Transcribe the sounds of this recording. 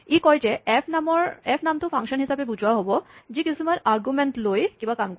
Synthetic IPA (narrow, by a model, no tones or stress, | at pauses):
ikɔjd͡ʒeepnamɔɾepʰnamt̪ofʰaŋʃɔnɦisabebud͡ʑʱwaɦɔbod͡ʑikisʰimaɾʔaɾɡumeɳʈlojkĩmbakamko